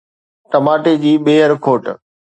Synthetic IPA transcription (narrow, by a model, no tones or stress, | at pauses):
ʈɐmaːʈed͡ʑiːɓeːəɾkʰoːʈ